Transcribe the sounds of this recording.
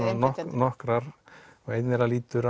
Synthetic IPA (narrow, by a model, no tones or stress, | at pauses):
nɔhnɔhkɾaɾɔɣejt̪nɛɾaliːt̪ʏɾa